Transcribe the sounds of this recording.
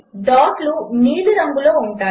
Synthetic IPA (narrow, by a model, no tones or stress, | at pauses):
ɖɔːʈluniːluɾɐŋɡuloːuɳʈaː